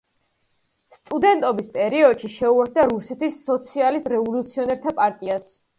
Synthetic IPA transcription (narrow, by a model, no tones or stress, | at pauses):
st̪ʼud̪ɛnt̪ʼɔbispʼɛɾiɔd̪ʃiʃɛuɛɾt̪̚d̪aɾusɛt̪ʰisːɔt̪sʰialisɾɛvɔlut̪sʰiɔnɛɾt̪ʰapʼaɾt̪ʼias